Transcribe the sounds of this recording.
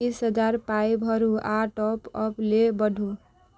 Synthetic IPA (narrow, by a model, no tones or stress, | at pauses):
isɦəd͡ʒaɾpajbʱʌɾuʔaʈɔpɔplebəɖʱu